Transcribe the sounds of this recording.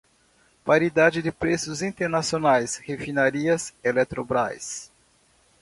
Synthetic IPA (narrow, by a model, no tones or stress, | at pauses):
paɾid̪ad͡ʒɪd̪ɪpɾesʊzĩt̪eɾnasionajshefinaɾiɐselɛt̪ɾobɾa̰js